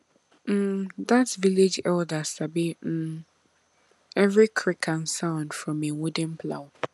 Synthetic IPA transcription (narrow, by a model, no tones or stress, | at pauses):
m̩d̪atviled͡ʒɛldasabi | ɛvɹikʰɹ̥ɪkʰãnsãʊ̃nd̥fɹɔ̃mẽwudə̃npʰlaʊ